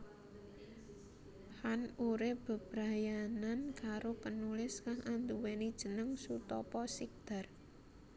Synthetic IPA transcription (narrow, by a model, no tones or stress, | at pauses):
hanuɾeb̥ə̤b̥ɾajanankaɾopənulɪskaŋʔand̪uwenid̥ʒ̥ə̤nəŋsut̪ɔpɔsik̚d̪̥a̤r